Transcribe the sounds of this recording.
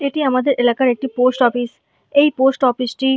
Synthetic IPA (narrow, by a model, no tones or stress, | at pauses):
eʈiɐmad̪əɾʔɪlaːkaɾek̚ʈipoːsʈɔːpis | eipoːsʈɔːpisʈiː